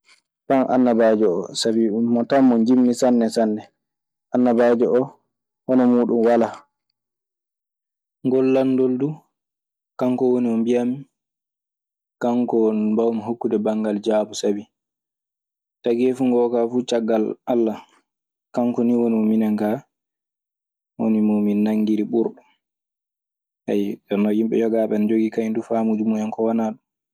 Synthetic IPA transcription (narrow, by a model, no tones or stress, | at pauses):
tanʔa̰nːabaːd͡ʒɔɔ̰sabimɔtamːɔnd͡ʒimːisanːɛsanːɛ | ʔanːabaːd͡ʒɔʔɔ | hɔnɔmuːɗunwala | ŋɡɔlːandoldu | kaŋkɔwoniɔmbijami | kaŋkɔbawmiɦokːudɛbaŋɡald͡ʒaːbusabi | taɡefuŋɡɔkafuːt͡ʃaɡːalalːa | kaŋkɔniwonimɔminaŋka | wo̰nimuminːaŋːɡiɾiɓuɾɗɔ | ha̰janːɔjimɓɛ̰jɔɡaɓɛnd͡ʒoɡikajndufamud͡ʒumujankɔwanaːɗum